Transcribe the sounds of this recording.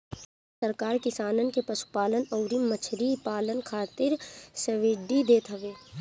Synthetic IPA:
sɐɾkaːɾkɪsaːnənkepɐʃu̥paːlənɔːɾimɐt͡ʃʰɾipaːlənkʰaːt̪ɪɾsɐʋɪɖid̪eːt̪ɦɐʋeː

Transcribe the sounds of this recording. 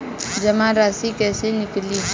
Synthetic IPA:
d͡ʒɐmãɾaːsikɛːsenɪkli

